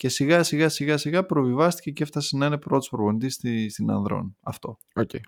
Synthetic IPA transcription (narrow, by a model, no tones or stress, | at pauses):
ce̞siɣɐsiɣɐsiɣɐsiɣɐpɾo̞vivɐst̪i̥ce̞ce̞ft̪ɐsenɐine̞pɾo̞t̪u̥spɾovonit̪ist̪ist̪inɐ̰nðɾo̞̰nɐft̪o̞ | oce